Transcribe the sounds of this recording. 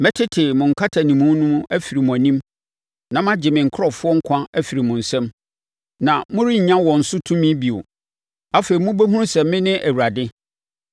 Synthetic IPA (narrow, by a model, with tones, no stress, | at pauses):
mɛ̃˦tʰɪ˦tʰɪ˨mʊ̃˨ŋ̩˨kʰa˦tʰa˨nĩ˨mũ˦nʊ̃˦m̃˦æ˦fi˨ɾi˨mʊ̃˨æ˨nĩ˦m | nã˨m˦ã˦d͡ʑɪ˨mɪ̃˨ŋ̩˨kʰɾɔ˨fʊ˦ɔ˦ŋ̩˦kʰʷã˦æ˦fi˨ɾi˨mʊ̃˨n̩˨sɛ̃˦m | nã˨mʊ̃˦ɾi˦ɲ̩˨ɲã˦wɔ̃˨n̩˨sʊ˦tʰũ˦mĩ˦bi˨o̰˨ | a˦fe˨ɾi˨mʊ̃˦be˦ɦũ˦ɾsɛ˨mːɪ̃˦nɪ̃˦ʔæ˨wu˨ɾa˨dɪ˦